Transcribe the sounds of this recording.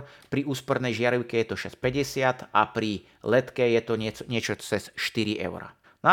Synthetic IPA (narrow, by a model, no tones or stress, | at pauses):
pɾiuːspɔɾnɛjʒɪaɾiʊkɛjɛt̪ɔʃɛspɛɟɛsɪat̪apɾi | lɛt̪kɛjɛt̪ɔɲɛɲɪɛt͡ʃɔt͡sɛsʃt̪iɾiʔɛ̰ʊɾa̰ | na